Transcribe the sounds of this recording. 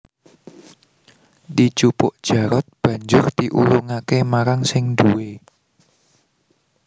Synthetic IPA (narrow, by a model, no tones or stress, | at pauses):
di̥t͡ʃupʊʔd̥ʒ̥a̤ɾɔt̪̚b̥ä̤ɲd͡ʒʊrt̪iʔṵlʊŋakemaɾaŋsɪŋd̪uwe